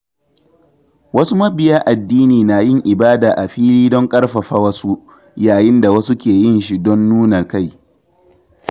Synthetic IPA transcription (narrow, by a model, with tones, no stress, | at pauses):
wɐ˦su˦mɐ˦bɪ˨jaː˦ʔa˨dːiː˦niː˨na˨jɪ˦ŋʔɪ˨baː˦daː˨ʔa˨ɸiː˦ɽiː˦dɔ˦ŋkʼɐ˦rɸɐ˨ɸa˦wɐ˦su˦ | jaː˨jɪ˦nda˨wɐ˦su˦kʲeː˨jɪ˦nʃi˦dɔ˦nːuː˦nɐ˨rka˦˨j